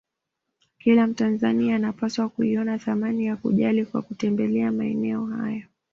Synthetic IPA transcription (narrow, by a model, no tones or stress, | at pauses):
kilam̩tanzaniaːnapaswakuiɔnaθamanijakṵʄalikwa̰kutɛmbɛlɛamaɛ̰nɛɔha̰jɔ